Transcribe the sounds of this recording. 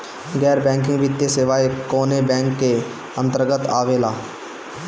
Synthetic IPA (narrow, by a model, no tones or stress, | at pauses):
ɡɛːɾbɛ̃ːŋk̬ɪ̃ŋɡʋɪt̪ːjeseʋaːekoːnebɛ̃ːŋkːe | ə̃nt̪əɾɡət̪aːʋeːlaː